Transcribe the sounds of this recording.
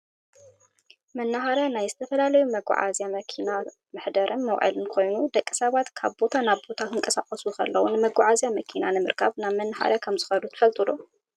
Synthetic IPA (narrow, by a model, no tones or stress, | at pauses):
mɐnːahaɾjanajzɨt̪ʰɐfɐlalɐjumɐɡa̰ʕa̰zjamɐkʰina | mɨħd̪ɐɾʔɨnmɐwʕɨ̰lɨnkʰo̞jnud̪ɐkʼːisɐβat̪kʰaβbo̞t̪ʰanaβbo̞t̪ʰak̪ʰɨŋkʼɐsaχʼɐsukʰɐ̰lːɐwunɨmɐɡaʕazjamɐkʰinanɨmɨɾkʰaβnaβmɐnːaħa̰ɾjakʰɐmzɨxɐlut̪ʰɨ̥fɐlt̪ʼɨlo